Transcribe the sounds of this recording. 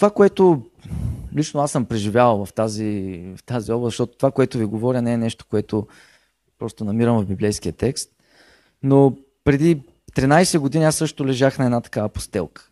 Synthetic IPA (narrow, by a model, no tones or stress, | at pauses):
t̪ovakoɛt̪o | lit͡ʃnoasəmpɾɛʒivjavlˠvɐft̪azivɐft̪aziɔblˠəzɐʃt̪ɔt̪ot̪vakoɛt̪ʊviɡovɔɾʲənɛɛnɛʃt̪o̥koɛt̪o | pɾɔst̪onɐmiɾəmvɐvbiblɛjskiət̪ɛkst̪̚ | no | pɾɛd̪i | t̪ɾinajsɛɡod̪iniasːɤʃt̪ʊlɛʒaxnɐɛd̪at̪ɐ̥kavɐpo̥st̪ɛlˠkə̥